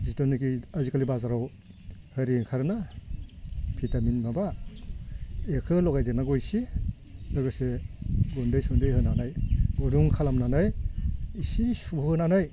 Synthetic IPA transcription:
zitɔnikiazikalibazaɾaw | hɯɾiŋkʰaɾna | pʰitaminmaba | ekʰɯlɔɡajdenaɡɔjsi | lɔɡɯseɡɔndɯjsundɯjɦɯnanajɡuduŋkʰalamnanajisisubhɯnanaj

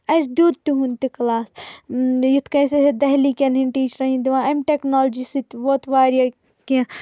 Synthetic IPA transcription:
ɐt͡ʃd̪ud̪̚t̪uɦunt̪iklaːs | jut̪ʰkɐ̃jsɐsed̪ɐɦlikʲɐ̃nɦiɳʈiːt͡ʃɾɐɦĩnd̪iʋãːɐmʈeknoːld͡ʒisit̪ʋoːt̪ʰʋaːɾja | kẽ

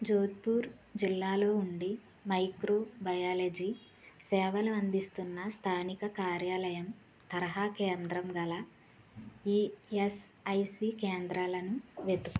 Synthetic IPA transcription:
d͡ʒoːd̪̚puːɾ | d͡ʒilːaːlo̞ːuɳɖi | mɐjkɾoːbɐjaːled͡ʒi | sɛːʋɐlɐɐnd̪ist̪unːɐst̪ʰaːnikɐkaːɾjaːlɐjɐm | t̪ɐɾɐɦaːkeːnd̪ɾɐmɡɐlɐ | iesɐjsiːkeːnd̪ɾaːlɐnuʋed̪uk

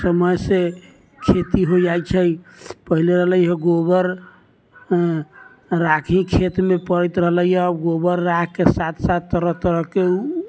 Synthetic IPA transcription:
səməjse | kʰet̪iɦod͡ʒajt͡ʃʰəjpəɦileɾəɦləjɦɛɡobəɾ | ɾakʰĩkʰet̪mepəɾɛt̪ɾəɦləiɦɛəbɡobəɾːakkːesat̪ʰsat̪ːəɾət̪əɾəɦkeu

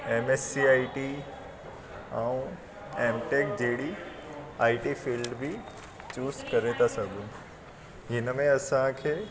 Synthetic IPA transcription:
emesːiaːiʈi | ãũ | eːmʈeːk̚d͡ʑeɦɽi | aːiʈifiːlɖbʱi | t͡ɕuːzkɐɾet̪asɐɡʱũː | ɦɪnmẽɐsãkʰeː

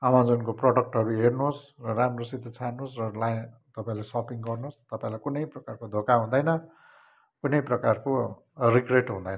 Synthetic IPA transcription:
amãd͡zʌnkoproɽʌk̚ʈɦʌɾuɦernusrʌramrosid̪ʱːʌt͡sʰanusrʌlat̪ʌpaĩlesʌpiŋɡʌrnust̪ʌpaĩlajkunʌjprʌkarkod̪ʱokaɦũd̪ʌjnʌ | kunʌjprʌkarko | rikreʈɦũd̪ʌjnʌ

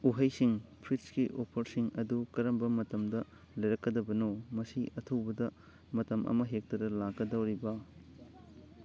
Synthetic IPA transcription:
uɦɐjsiŋpʰɾitskiʔopʰɐɾsiŋɐdukɐɾɐmbɐmɐtɐmdɐ | lɐjɾɐkːɐdɐbɐnomɐsiɐtʰɐwbɐdɐ | mɐtɐmʔɐ̰mɐɦek̚tɐdɐlaɡɐdɐwɾibɐ

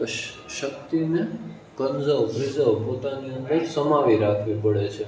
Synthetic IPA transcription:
ʃək̚t̪ine | kənzəʋɾizəʋpot̪aniənd̪əɾsəmaʋiɾakʰʋipəɽet͡ʃʰe

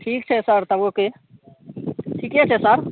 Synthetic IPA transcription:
ʈʰik̚t͡ʃʰɛsəɾt̪əboke | ʈʰiket͡ʃʰɛsəɾ

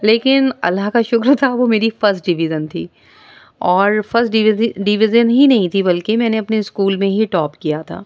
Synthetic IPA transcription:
leːkɪnɐ̰lːaɦkaʃʊkɾt̪ʰaʋomeːɾifɐɾsʈ̚ɖɪʋɪd͡ʒənt̪ʰḭː | ɔːɾfɐɾsʈɖɖɪʋɪd͡ʒənɦinɐɦĩt̪ʰibɐlkemɛ̃ːneɐpneskuːlmẽɦiʈɔːpkijat̪ʰa̰ː

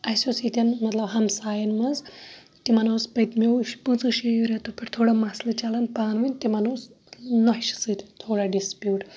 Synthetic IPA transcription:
ɐsʲosit̪ʲɐnmɐt̪lɐbɦɐmsaːjɐnmɐz | t̪imɐnoːspɐjt̪mewʃpɨ̃t͡sɨʃijuɾet̪opʰʲɐɾt̪ʰoːɽamaslɨt͡ʃalɐnpaːnʋɨnʲt̪imɐnoːs | noʃi̥sɨt̪ʲt̪ʰoːɽaɖispjuːʈ

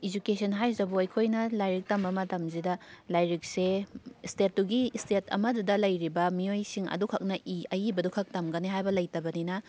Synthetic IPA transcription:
id͡ʒukesʰɐnɦajzɐbuɐjkʰojnɐlajɾik̚tɐmbɐmɐtɐmzidɐlajɾik̚sestet̚duɡistetʰɐ̰mɐdudɐlɐjɾibɐmiojsiŋɐ̰dukʰɐk̚nɐʔiɐjibɐdukʰɐk̚tɐmɡɐniɦajbɐlɐjtɐbɐninɐ

